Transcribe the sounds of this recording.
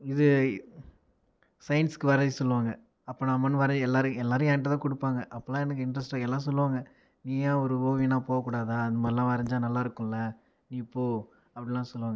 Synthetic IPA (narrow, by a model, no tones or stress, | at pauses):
ɪðɯ | sɐjnskɯʋɐɾɐðisɔlːɯʋaːŋɡɐ | ɐpːoːnaːmɐnːɯʋɐɾɐɛlːaːɾɯ̃ɛlːaːɾɯ̃jaːnʈɐt̪ãːkɔɽɯpːaːŋɡɐʔɐpːɐlãːɛnɐk̬ːɯɪɳɖɾɐsʈaːɛlːãːs̬ɔlːɯʋaːŋɡɐ | niːjãːɔɾɯoːʋinaːpoːɣɐkːuːɽaːðaːɐnðɐmaːðɾɪlãːʋɐɾɐɲd͡ʒaːnɐlːaːɪɾɯkːʊ̃ɪlɐ | niːɪpːoː | ɐpːɐɽɪlãːsɔlːɯʋaːŋɡɐ